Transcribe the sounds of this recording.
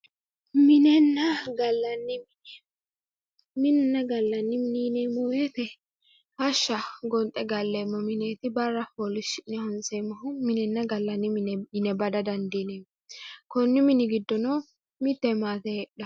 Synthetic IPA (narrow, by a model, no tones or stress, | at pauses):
mɪnɛnːɐɡɐlːɐnːɪmɪnɛ | mɪnɛnːɐɡɐlːɐnːɪmɪniːneːmɔweːt̪ɛ | hɐʃːɐɡɔnt̪ʼːɛɡɐlːeːmːɔmɪneːt̪ɪbɐrːɐpɔːlɪʃɪnɛhɔnseːmːɔɦʊmɪnɛnːɐɡɐlːɐnːɪmɪnɛɪnɛbɐd̪ɐd̪ɐnd̪iːne | kɔnːɪmɪnɪɡɪd̪ːɔnɔ | mɪt̪ːɛmaːt̪ɛᶑɐ